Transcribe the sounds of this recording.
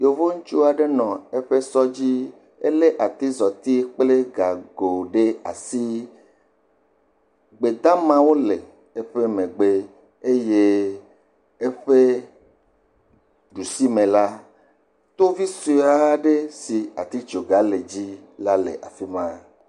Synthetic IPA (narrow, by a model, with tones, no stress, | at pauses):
jo˨vo˦ŋũ˦t͡ʃu˦a˨ɖe˦nɔ̃˨e˦ɸe˦sɔ˦d͡ʑi˦ | ḛ˦le˦ʔa˨t̪i˦zɔ˨t̪i˦k͡ple˦ɡa˨ɡo˨ɖe˦a˨si˦ | ɡ͡be˨d̪a˦mã˦wo˦le˨ | e˦ɸe˦mẽ˨ɡ͡be˦ | e˦je˦ | e˦ɸe˦ | ɖu˨si˦mẽ˨la˦ | t̪o˦vi˦so˦˨a˨ɖe˦si˨a˨t̪i˦t͡ʃo˨ɡa˨˦le˨d͡ʑi˦la˦lḛ˨ʔa̰˨fi˦mã˦